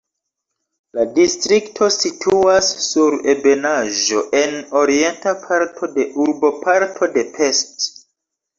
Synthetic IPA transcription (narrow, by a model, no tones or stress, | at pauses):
ladistɾiktʰo̞sitʰuasːuɾe̞be̞naʒo̞ʔe̞no̞ɾie̞ntapʰaɾtʰo̞de̞ʔuɾbo̞pʰaɾtʰo̞de̞pʰe̞st